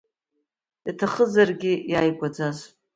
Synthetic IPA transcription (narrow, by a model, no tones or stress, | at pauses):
jatʰaχəzarɡʲɪjajɡʷad͡zazʼ